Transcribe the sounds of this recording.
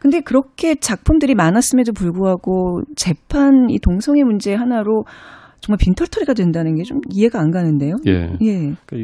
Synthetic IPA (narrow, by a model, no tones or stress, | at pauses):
kɯnde̞kɯɾʌkʰe̞t͡ɕak̚pʰumdɯɾimanas͈ɯmjʌndop̬uɭɡoɦaɡot͡ɕe̞pʰanḭtoŋsʰʌŋe̞mund͡ʑe̞ɦanaɾo | t͡ɕʌŋmaɭpintʰʌɭtʰʌɾiɡadwe̞ndanɯnɡe̞t͡ɕomiɦe̞ɡaaːnɡanɯnde̞joj̰je̞